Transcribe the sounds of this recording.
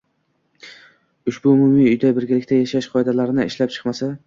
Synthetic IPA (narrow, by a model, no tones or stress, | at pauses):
ʊʃbʊʊmʊmiʊjd̪abɪɾɡʲalɪkʲt̪ʰajaʃaʃqʰɒjd̪alaɾɪnɪɪʃlap̚t͡ʃʰɨ̥qmasa